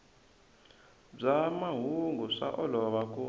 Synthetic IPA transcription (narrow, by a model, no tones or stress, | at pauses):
b͡ʐamaɦuŋɡuʂa̰ʔɔlɔβak̬ʼu